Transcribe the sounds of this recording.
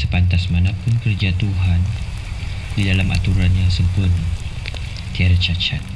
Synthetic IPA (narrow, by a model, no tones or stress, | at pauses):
səpant̪asmanapʊnkərd͡ʒat̪uɦan | didalamʔat̪uɾanjaŋsəmpʊn | t̪iaɾat͡ʃat͡ʃat̪̚